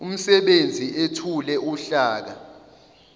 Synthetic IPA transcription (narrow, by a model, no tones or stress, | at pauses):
um̩sɛɓend͡zʱiʔetʰulɛʔuɬaːk̬a